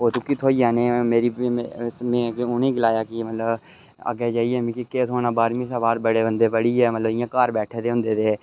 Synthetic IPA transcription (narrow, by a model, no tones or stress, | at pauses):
oːt̪ũkit̪ʰoːiaːneːmeːɾismɛ̃ːʊneːɡɪlaːjaːkimət̪ləb | ə̰ɡeːd͡ʒaːiɛːmĩːkikeːt̪ɦoːnaːbaːɾmĩːsabaːɾbəɽeːbənd̪eːbəɽiːɦɛːmət̪ləbɪjãːkaːɾbɛːʈʰeːt̪eːɦʊ̃nd̪eːt̪eː